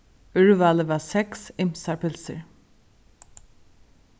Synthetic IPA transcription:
ʉɹʉʋɑːləʋɑːsɛksɪmsɑɹpʰɪlsə̰ɹ

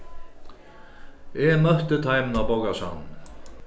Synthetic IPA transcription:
ɛmœht̪ʏt̪ʰajmnabowkasa̰n

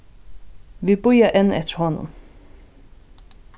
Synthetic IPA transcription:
ʋibʊjaʔɛnːɛ̰t̪əɾhɔnːʊ̰m

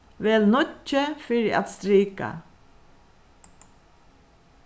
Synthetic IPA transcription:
ʋɛːlnʊt͡ʃːəfɪɾɪa̰t̪st̪ɾiːka̰

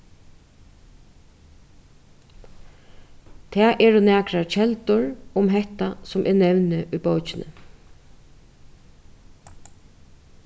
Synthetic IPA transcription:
t̪ʰɛːʔɛɹʊnɛːkɾaɹt͡ʃʰɛlt̪ʊɹʊmɦɛht̪asʊmʔɛɹnɛwnɪʔujbɔwt͡ʃɪnə̰

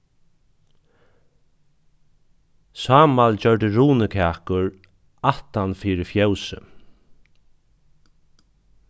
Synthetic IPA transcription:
sɑːmald͡ʑœɹʈəɾuːnəkʰæːkʊɹ | aht̪anfiːɾɪfjœwsə̰

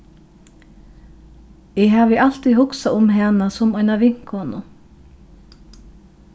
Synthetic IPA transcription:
ɪɦaːʋɪʔal̥t̪iːðɦʊksaʊmɦɛːnasɔmɔjnaʋɪŋ̥khɔnʊ

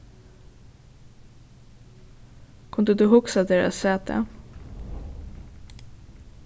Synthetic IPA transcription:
kʰʉnd̪əd̪ʉːɦʊksad̪eːɾa̰sːɛːt̪ə̰

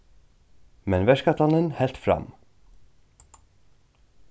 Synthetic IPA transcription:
mɛnvɛʂkat̪ʰanənhɛlt̪fɾa̰m

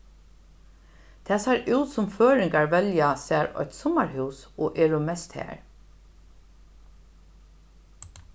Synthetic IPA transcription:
t̪ʰæːsaɹʉwt̪sʊmføːɾɪŋkaɹvɛljasæːɹɔ̰ʏt̪sɔmaɹɦʉːsɔːʔɛːɹʊmɛst̪hæ̰ːɹ

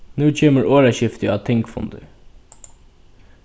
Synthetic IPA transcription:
nʉːt͡ɕʰeːməɹoːɹaɕɪft̪əɑːt̪ʰɛŋkfʊ̰nd̪ə̰

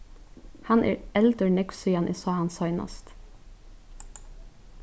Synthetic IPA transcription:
hɑnʔæ̰ːɹɛld̪əɳɛksyːɑnʔḭːsɑːhɑnsɑʏnɑ̰st̪

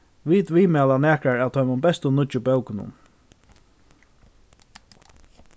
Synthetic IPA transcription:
ʋiːt̪ʋiːmæːlanæːkɹaɹaːwt̪ʰɔʏmʊmbɛst̪ʊnʊt͡ʃʊbœwknʊ̰n

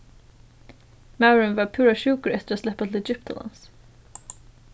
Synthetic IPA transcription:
maʊɹənvɑːɹpʰʉːɾaʃʉːkəɾɛt̪əɾaslɛpːat̪ʰl̩ɛd͡ʒɪpt̪ʰa̰lɑ̰ns

